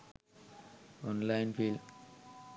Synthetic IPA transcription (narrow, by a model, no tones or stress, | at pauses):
ɔnlajnpʰil